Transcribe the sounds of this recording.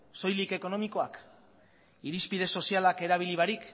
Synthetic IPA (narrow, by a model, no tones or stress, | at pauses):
so̞jlike̞ko̞no̞miko̞ak | iɾispið̞e̞so̞sialake̞ɾaβ̞iliβ̞aɾik